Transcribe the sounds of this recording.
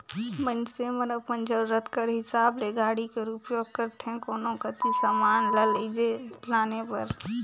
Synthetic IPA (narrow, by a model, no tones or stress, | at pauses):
mə̃nsemənəpənd͡ʒəbɾət̪kəɾɦɪsaːbleɡaːɽikeɾuːpjoːɡ̚kəɾt̪ʰɛ̃koːnõkət̪isamaːnləleid͡ʒelaːnepɐɾ